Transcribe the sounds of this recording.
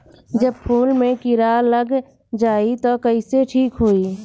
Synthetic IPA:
d͡ʒəb̚pʰuːlmẽkɪɾaːləɡ | d͡ʒaːit̪okəiseʈʰiːkɦoːiː

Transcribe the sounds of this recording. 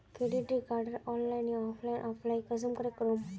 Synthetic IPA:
keɽiʈɾikaɾɖəɾɔ̃nlajnĩɔflajnʔɔflaikəzəmkəɾekəɾom

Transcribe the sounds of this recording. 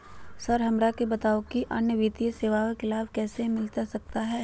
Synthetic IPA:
sɐɾɦɐmɾakebɐt̪aːokiʔɐnjəʋiːt̪ijseːʋaʋekɪlaːbkɛːsemɪlt̪asɐk̚t̪aɦɛː

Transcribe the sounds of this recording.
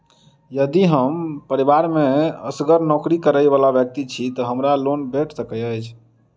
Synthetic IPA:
jəd̪iɦəmpəɾibaɾmeəsɡəɾnɔkɾikəɾəjbalabjək̚t̪it͡ʃʰit̪ɔɦəmɾalonbʱeʈʰsəkəjəjt͡ʃʰ

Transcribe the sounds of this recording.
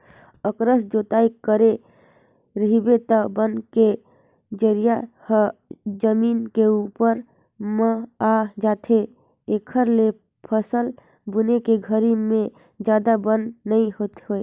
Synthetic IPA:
əkɾəsd͡ʒot̪aikəɾe | ɾəɦibet̪əbənke | d͡ʒəɾija | hd͡ʒəminkeupəɾ | mə̃ad͡ʒat̪ʰe | ekʰəɾle | pʰəsəl | bunekeɡʱəɾime | d͡ʒad̪abənːəiɦot̪ɦoe

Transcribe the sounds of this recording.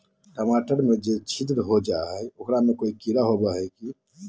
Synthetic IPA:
ʈəmaːʈəɾmẽd͡ʒet͡ʃʰit̪ɾɦod͡ʒaɦɛʊkɾamekoːikiɾaɦobaɦɛki

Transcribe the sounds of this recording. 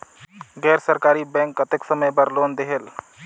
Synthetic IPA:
ɡɛːɾsəɾkaːɾibɛ̃ːŋkːət̪ɪksəməjbəɾloːnd̪eɦel

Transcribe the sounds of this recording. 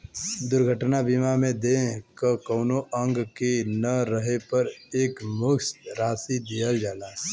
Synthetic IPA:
d̪ʊɾɡʱəʈnabiːmamẽd̪ekəkɔːnoʔə̃ŋɡkenɐɾəɦepɐɾeːkmʊksɾaːsid̪ijəld͡ʒaːlaː

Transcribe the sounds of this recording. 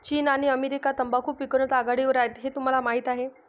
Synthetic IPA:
t͡ɕiːnaɽ̃iəmeɾikat̪əmbakʰuːpʋikəɾɳət̪aɡaɽiʋəɾajt̪ɦet̪um̤alamaɦit̪aɦe

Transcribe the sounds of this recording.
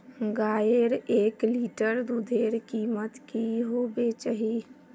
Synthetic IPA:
ɡaːjəɾeːkliːʈəɾd̪ud̪ʱeːɾkiːmət̪kiɦoːbet͡ʃaɦiː

